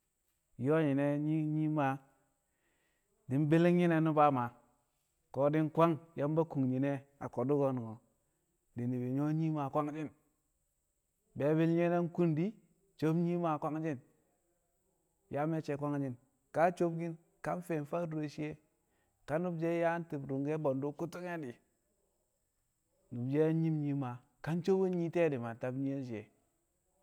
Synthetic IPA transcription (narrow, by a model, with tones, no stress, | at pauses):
jo˦ɲi˨ne˦ɲi˦ɲi˦ma˨ | di˨˦n˦be˦li˦ŋ˦ɲi˦ne˦nu˦ba˦ma˨ | ko˨di˦nkʷa˦ŋja˦mba˦ku˨ŋɲi˨ne˦a̰˨ko˨du˦ɡo˦nu˨ŋo˨ | di˨ni˨bi˨ɲo˦ɲi˦ma˨kʷa˦ŋd͡ʒi˦n | be˨˦bi˦lɲe˦ne˦n˦ku˦ndi˦ | t͡ʃo˦bɲi˦ma˨kʷa˦ŋd͡ʒi˦n | ja˦me˦t͡ʃe˨kʷa˦ŋd͡ʒi˦n | ka˦t͡ʃo˦bɡi˦n | ka˦n˦fe˨n˨fa˦dɾo˨ʃi˦e˦ | ka˦nu˦bd͡ʒe˦ja˦n˦ti˨bɾu˨ŋɡe˦bo˨ndu˦ku˦tu˦ŋe˦di˨ | nu˨bd͡ʒe˦ɲi˦mɲi˦ma˨ | ka˦nt͡ʃo˦bu˦ɲi˦te˦di˨ma˨ta˦bɲi˦e˦nʃ̬i˨e˨